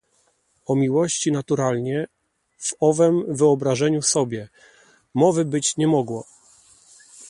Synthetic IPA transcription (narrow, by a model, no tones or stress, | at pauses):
ɔmʲiwɔɕt͡ɕinat̪uɾalɲɛ | v̥ɔvɛmvɘɔbɾaʐɛɲusɔbʲjɛ | mɔvɘbɘt͡ɕɲɛmɔɡwɔ